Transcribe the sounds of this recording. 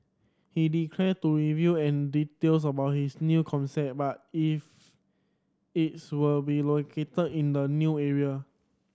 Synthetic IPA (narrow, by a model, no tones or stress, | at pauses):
hidikʰlɛtuɹivjuɛ̃nditels̬əbaʊt̚hisnjukʰɔ̃nsɛt̚bat̚if | it̚swilbilokʰetədĩndənjuːɛɹia